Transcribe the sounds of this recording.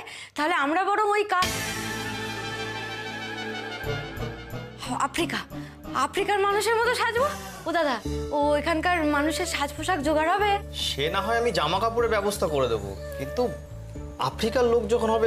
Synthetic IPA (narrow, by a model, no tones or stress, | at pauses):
t̪aɦoleamɾabɔɽomojkap | ha̰fɾika | afɾikaɾmanuʃeɾmɔt̪oʃad͡ʑbo | od̪ad̪aoekʰankaɾmanuʃeɾʃad͡ʑpʰoʃakd͡ʑoɡaɾɦɔbeʃenaɦɔeamid͡ʑamakapuɾeɾbɛbost̪ʰakoɾed̪ebo̰ | kint̪u | a̰fɾikaɾlokd͡ʑɔkʰonɦɔbe